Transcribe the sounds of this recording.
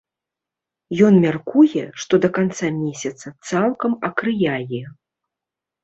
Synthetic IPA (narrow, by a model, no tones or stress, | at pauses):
jɔnmʲarkujɛʂt̪ɔd̪ɐkant̪samʲesʲɐt̪sɐt̪salˠkɐmɐkɾɨjajɛ